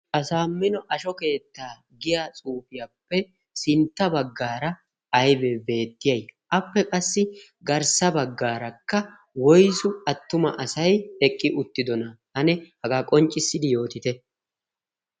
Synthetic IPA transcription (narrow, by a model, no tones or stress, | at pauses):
ʔɐsaːmːɪnɔʔɐʃɔke̞ːt̪ːaː | ɡɪjat͡sʼuːfɪjapːɛ | sɪnt̪ːɐbɐɡːaːɾɐ | ɐjbebe̞ːt̪ːɪjɐjʔɐpːɛkʼɐsːɪ | ɡɐɾsɐbɐɡːaːɾɐkːɐ | wɔjsʊɐt̪ːʊmɐ̰ʔɐsɐjɛkʼːɪʔʊt̪ːɪd̪ɔnɐhɐnɛhɐɡaːkʼɔnt͡ʃʼːɪsːɪd̪ɪjo̞ːt̪ɪt̪ɛ